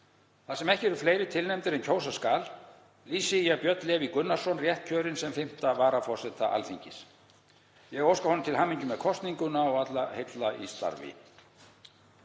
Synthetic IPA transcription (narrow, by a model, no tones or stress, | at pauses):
θaðsɛmɛhcɪɛɾʏ̥ɾfleːjɾɪt̪ʰɪlnɛmt̪ɪɾɛncʰoːwsaskaːl | liːsɪijapjœt̪lɛːvikʏnːḁsɔnrjɛht̪̚cʰœːɾɪnsɛmfɪm̥t̪avaːɾafɔ̥sɛt̪aʔa̰lfiɲcɪs | jɛɛɣowskahɔnʏmt̪ʰɪlhamːiɲcʏmɛðkʰɔst̪niŋkʏnaɔɣat̪lahejt̪laʔḭst̪a̰ɾvɪ̰